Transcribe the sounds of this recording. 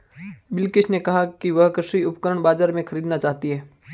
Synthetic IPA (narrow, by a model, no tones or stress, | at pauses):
bɪlkɪt͡ʃnekɐɦakiʋɐɦkɾʃiʊpkəɾəɽ̃baːd͡ʒaːɾmẽxʰɐɾiːd̪nat͡ʃaːɦt̪iɦɛː